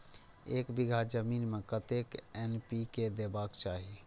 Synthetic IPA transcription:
eːkbɪɡʱad͡ʒəmiːnmẽkət̪ekɛnpiked̪eːbaːkt͡ʃaːɦi

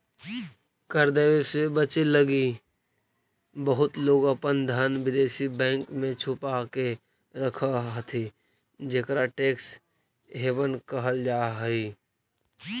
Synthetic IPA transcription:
kəɾd̪eːʋesebət͡ʃeləɡi | bəɦʊt̪loːɡəpənd̪ʱənʋɪd̪eːsibɛ̃ːŋkmẽt͡ʃʰʊpake | ɾəkʰaɦət̪ʰi | d͡ʒeːkəɾaʈeːks | ɦeːʋənkəɦəld͡ʒaːɦəi

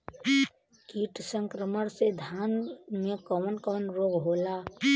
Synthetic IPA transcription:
kiːʈsə̃ŋkɾəməɽsed̪ʱjaːnmẽkɔmənkɔmənɾoːɡɦoːla

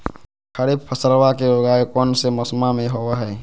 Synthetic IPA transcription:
kʰəɽɪbpʰəsəɾwakeɾoɡaːekɔːnsemɐsmamẽɦowaɦɛː

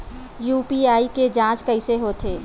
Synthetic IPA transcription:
juːpiaːiked͡ʒãːt͡ʃkəɪseɦoːt̪ʰeː

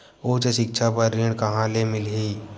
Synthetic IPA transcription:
oːt͡ʃʃɪk̚ʃʰapəɾːɪɽkɐɦãlemɪlɦiː

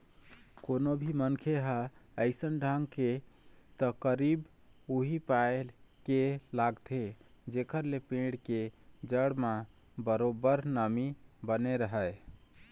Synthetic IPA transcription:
konobʱimənkʰeɦaəɪsənɖʱaŋɡket̪əkəɾib | uɦipaelkelaɡt̪ʰed͡ʒekəɾlepẽɖked͡ʒəɽma | bəɾobəɾnəmibəneɾəɦəj

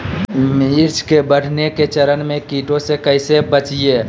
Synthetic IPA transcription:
miɾt͡ʃkebəɽ̤neket͡ʃɐɾənmẽkiːʈõsekɐɪsebət͡ʃieː

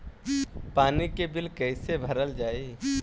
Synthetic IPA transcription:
paːnikebɪlkɛːsebʱəɾəld͡ʒaːiː

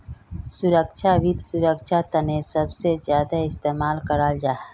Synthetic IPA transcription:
sʊɾəkʃʰaʋid̪sʊɾəkʃʰat̪ənesəbsezjaːd̪aɪst̪eːmaːlkəɾaːld͡ʒaː

